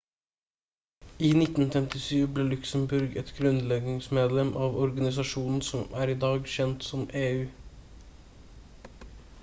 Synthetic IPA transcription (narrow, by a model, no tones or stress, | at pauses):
iːnɪt̪n̩fɛmt̪ɪʃyːbleːlʉksəmbʉɾɡɛt̪ɡɾʉnlɛɡnɪŋsmeːd̪lɛmʔɑːʋɔɾɡɑnɪs̬ɑʂuːnn̩sɔmæːɾiːd̪ɑːɡʃɛnt̪sɔmeːʉː